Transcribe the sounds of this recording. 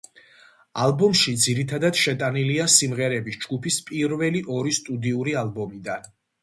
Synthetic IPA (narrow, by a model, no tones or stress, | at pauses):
a̰lˠbɔmʃid̪ziɾit̪ʰad̪ad̪̥ʃɛt̪ʼaniliasimʁɛɾɛbisd͡ʒɡupʰispʼiɾvɛliʔɔɾist̪ʼud̪iuɾialˠbɔmid̪an